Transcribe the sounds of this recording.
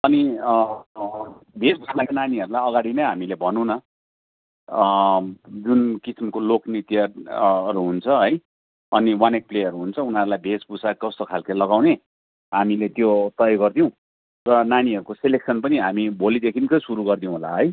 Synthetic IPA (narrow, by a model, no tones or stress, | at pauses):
ʌni | bʱesbusmakananiɦʌɾulajʌɡaɽinʌjɦamilebʱʌnũnʌ | d͡zunkisimkoloknit̪jʌɾuɦunt͡sʰʌɦʌj | ʌniwanek̚pleʌɾuɦunt͡sʰʌunaɾulajbʱesbusakʌst̪okʰalkelʌɡawne | ɦamilet̪jot̪ʌjɡʌrd̪ijõ | rʌnaniɦʌɾukoseleksʌnpʌniɦamibʱolid̪ekʰinkʌsuɾuɡʌrd̪ijõɦolaɦʌj